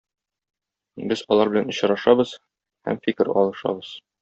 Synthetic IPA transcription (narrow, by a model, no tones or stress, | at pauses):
bɘzɒlˠɑɾbɘ̆lænŏɕ̆ɾɑʃɑbɤz̥ | hæ̰mfikɘɾɒ̰lˠɤ̆ʃɑ̰bɤz̥